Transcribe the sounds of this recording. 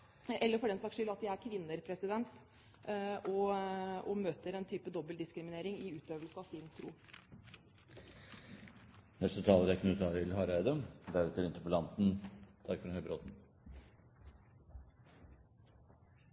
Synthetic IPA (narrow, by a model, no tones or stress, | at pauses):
ʔɛlːəɾfɔɖɛnsɑkʂʏlɑt̪̚d̪æɪæɾkʰʋɪnːəɾpʰɾɛsɪd̪ɛnt̪ | ʔɔɔmøːt̪əɾɛnt̪ʰyːpəd̪ɔbəld̪ɪskɾɪmɪneːɾɪŋɪʉːt̪øːʋəlsəɑʋsɪnt̪ʰɾṵː | nɛst̪ət̪ʰɑːləɾæknʉːt̪ʰɑːɾɪlhɑːɾæɪd̪əmd̪æɾɛt̪əɾɪnt̪əpɔlɑnt̪n̩t̪ʰɑɾkfɾɑnhœʏbɾoːt̪n̩